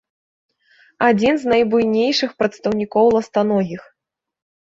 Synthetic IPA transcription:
ad͡zʲinznɐjbujnʲejʂɨxpɾɐt̪st̪ɐwnʲikɔwlˠɐst̪anɔɣʲix

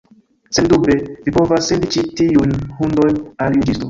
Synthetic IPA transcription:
sendubevipo̞vasːendit͡ʃitiunhundojnaljud͡ʒisto

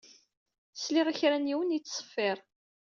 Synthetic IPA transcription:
slɪʁaçɾænjiwənijt͡sːsˤə̥fːɪɾˤ

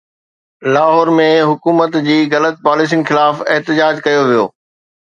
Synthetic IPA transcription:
laːɦɔːɾmẽɦʊkuːmət̪d͡ʑiːɣɐlət̪̚paːlɪs̬inxɪlaːfɪɦt̪ɪd͡ʑaːd͡ʑkɐjoʋijo̰ː

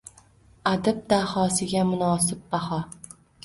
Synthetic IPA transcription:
ad̪ab̚d̪ahɒːsɪɡʲamʊnɒːsɪb̚bahɒ

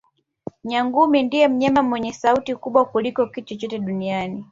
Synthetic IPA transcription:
ɲaŋɡumindijɛm̩ɲɛmamwɛɲɛsautikuɓwakulikɔkit͡ʃɔt͡ʃɔtɛɗuniani

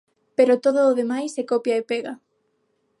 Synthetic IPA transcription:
peɾot̪oðoːðemajsekopjaepeɣa

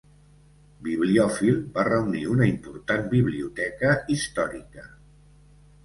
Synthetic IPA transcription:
biβ̞liɔfilˠbarəuniunəimpuɾt̪anbiβliut̪ɛkəist̪ɔɾikə

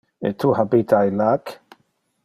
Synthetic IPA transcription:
ḛt̪ʰuhabit̪ʰajlak

